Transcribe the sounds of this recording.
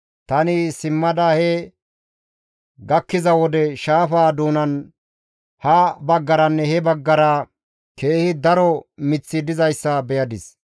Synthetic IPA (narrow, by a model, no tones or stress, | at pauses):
t̪ɐnɪsɪmːɐd̪ɐhɛ | ɡɐkːɪzɐwɔd̪ɛʃaːfaːd̪uːnɐn | hɐbɐɡːɐɾɐnːɛhɛbɐɡːɐɾa | ke̞ːhɪd̪ɐɾɔmɪt͡sːɪd̪ɪzɐjsːɐbɛjɐd̪ɪs